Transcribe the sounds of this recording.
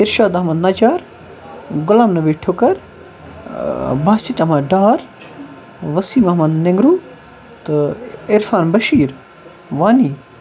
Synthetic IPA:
ɪɾʃaːd̪ɐɦmɐd̪nɐd͡ʒaːɾ | ɡʊlaːmnɐʋiʈʰʊkɐɾ | bʱaːsit̪ɐmɐɖaːɾ | ʋɐsiːmɐɦmɐd̪neŋɡɾuː | t̪ɨɪɾfaːnbɐʃiːɾ | ʋaːniː

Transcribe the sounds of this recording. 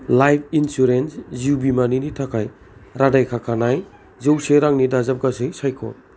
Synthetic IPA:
lajpʰinsuɾensziubimaninitʰakʰaj | ɾadajkʰakʰanaj | zewseɾaŋnidazap̚ɡasɯjsajkʰɔ̰

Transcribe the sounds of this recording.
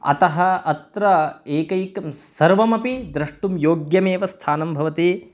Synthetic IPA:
ɐ̰t̪ɐɦɐɐt̪ɾɐeːkɐjkɐsɐɾʋɐmɐpid̪ɾɐʂʈumjoːɡjɐmeːʋɐst̪ʰaːnɐmbʱɐʋɐt̪i

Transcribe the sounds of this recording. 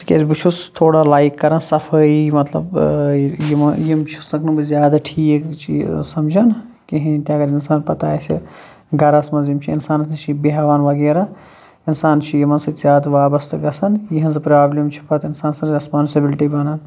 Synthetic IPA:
skʲḛːsʲbɨt͡ʃʰust̪ʰoːɽalaːikːɐɾɐnsɐfʰəːimɐt̪lɐ̰b | jimjimt͡ʃʰu̥snɐknɨbɨzʲjaːd̪aʈʰiːkt͡ʃʰḭsɐmd͡ʒɐn | kiɦĩt̪iɐɡɐɾɪnsaːnpɐt̪aːsʲḭ | ɡɐɾɐsmɐzjimt͡ʃʰiinsaːnɐsɨt͡ʃʰibeɦɐʋaːnʋɐɡeːɾa | ɪnsaːnt͡ʃʰijimɐnsɐt̪zʲjaːd̪aʋaːbɐst̪ɨɡɐsɐnjiɦɐnzɨpɾaːblimt͡ʃʰi̥pʰɐt̪ɪnsaːnsɐɾɾespaːnsibɪlʈibɐnɐn

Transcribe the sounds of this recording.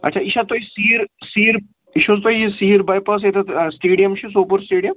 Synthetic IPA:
ɐ̰ʈːt͡ʃʰaiʃat̪oɦisiːɾsiːɾ | iʃust̪oɦisiːɾbajpɐs̬et̪ɐt̪sʈeːɽijɐmʃisoːpuɾsʈeːɖijəm

